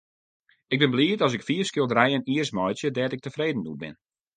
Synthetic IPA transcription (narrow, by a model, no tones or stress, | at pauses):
ɪɡ̚bɪnbliːətɔs̬ɪkfiəfskjøəlˠdrɛjəniərsmɔjtjədɛːtɪk̚təfreːdn̩dṵt̚bɪ̰n